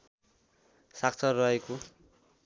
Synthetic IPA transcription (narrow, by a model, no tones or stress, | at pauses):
sak̚t͡sʰʌrʌɦeko